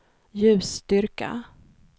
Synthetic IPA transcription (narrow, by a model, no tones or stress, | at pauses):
jʉ̟ːst̪ʏɾka̰